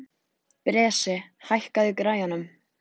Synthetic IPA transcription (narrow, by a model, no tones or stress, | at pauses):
pɾɛːsɪhajhkaðɪkɾaːjanʏm